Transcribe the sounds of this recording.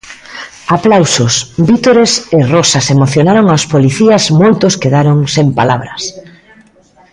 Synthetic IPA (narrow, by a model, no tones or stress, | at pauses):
aplawsosbit̪oɾeserosɐsemoθjonaɾoŋawspoliθiɐzmojt̪oskeðaɾoŋsempa̰laβɾɐs